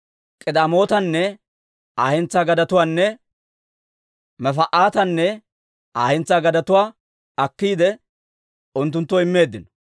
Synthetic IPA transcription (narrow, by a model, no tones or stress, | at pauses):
kʼɪd̪aːmo̞ːt̪ɐnːɛ | aːhɪnt͡saːɡɐd̪ɐt̪ʊwaːnːɛ | mɛfɐʔaːt̪ɐnːɛ | aːhɛnt͡sːaːɡɐd̪ɐt̪ʊwaː | ɐkːiːd̪ɛ | ʊnt̪ːʊnt̪ːɔɪmːe̞ːd̪ːɪnɔ̥